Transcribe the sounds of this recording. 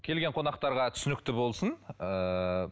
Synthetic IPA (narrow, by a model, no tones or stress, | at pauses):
kʲʰe̞lɡʲe̞ɴqʰo̞nɑqt̪ɑɾʁɑt̪ʰʏ̥sɪnɪkt̪ɪbo̞lˠsənə